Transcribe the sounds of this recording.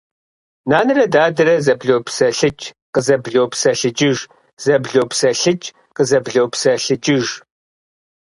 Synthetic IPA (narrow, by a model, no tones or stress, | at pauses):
naːnɨrɐdaːdɨɾɐzɐbɮowpsɐɬɨt͡ʃʼ | qəzɐbɮowpsɐɬɨd͡ʒʼɪʒ | z̥ɐbɮopsɐɬɨt͡ʃʼ | qəzɐbɮowpsɐɬɨd͡ʒʼɪʒ